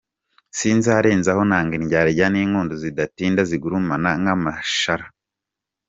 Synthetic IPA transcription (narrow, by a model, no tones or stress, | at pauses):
siːnzaɾeːnzaho̞naːŋɡiɲɟaːɾiɟaniːŋuːndozidatiːndaziɡuɾumanaŋamaʃaɾa